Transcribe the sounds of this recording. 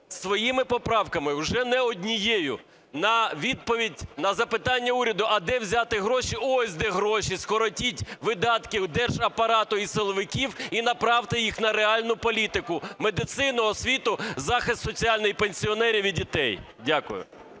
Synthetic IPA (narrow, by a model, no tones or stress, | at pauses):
sʋɔjimɪpɔpɾɑwkɐmɪwʒɛnɛɔdʲnʲijejʊ | nɐʋʲid̪̚pɔʋʲidʲnɐzɐpɪt̪ɑnʲːɐuɾʲɐd̪ʊʔɐd̪ɛwzʲɑt̪ɪɦɾɔʃiɔsʲd̪ɛɦɾɔʃiskɔɾɔtʲitʲʋɪd̪ɑt̪kʲiwd̪ɛrʒɐpɐɾɑt̪ʊisɪlˠɔʋɪkʲiwinɐpɾɑwt̪ɪjixnɐɾeɑlʲnʊpɔlʲit̪ɪkʊmed̪ɪt̪sɪnɔɔsʲʋʲit̪ʊzɑxɪst̪sɔt͡sʲialʲnɔjpenʲsʲiɔnɛɾʲiʋʲidʲit̪ɛj | dʲakʊ̰jʊ̰